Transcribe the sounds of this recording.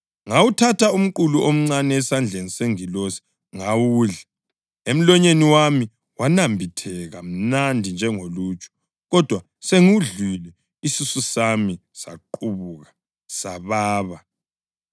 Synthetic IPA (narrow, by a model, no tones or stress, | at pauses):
ŋawutʰatʰaum̩kuluʔom̩ŋ͡ǀanɛːsand͡ɮʱeniseŋilosi̥ | ŋawuːɮɛ | em̩lɔɲeniwami | wanambʱitʰɛɣam̩nandʱind͡ʒʱɛŋolut͡ʃʼɔ̥ | ɣɔd̥ʱwa | seŋuɮilɛ | isisusamisa̰ǃuβuɣa | saβaːβa